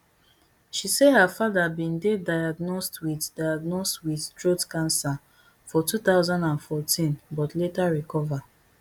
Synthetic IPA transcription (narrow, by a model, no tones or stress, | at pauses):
ʃisehafaðabĩndedajaɡnɔstwiddajaɡnɔstwidtɹotkãnsa | fɔtuθaʊzãndãnfɔtʰĩnbɔtletaɹikɔva